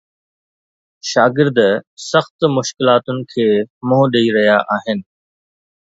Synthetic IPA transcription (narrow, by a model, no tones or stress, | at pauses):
ʃaːɡɪɾd̪sɐxt̪mʊʃkɪlaːt̪ʊnɪ̆kʰeːmʊ̃ɦɗeiɾɐɦjaʔaːɦɪnɪ̆